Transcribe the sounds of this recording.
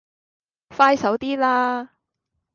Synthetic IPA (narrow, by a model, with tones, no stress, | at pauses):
faː˥jsɐ˨˥wt̪iː˥laː˥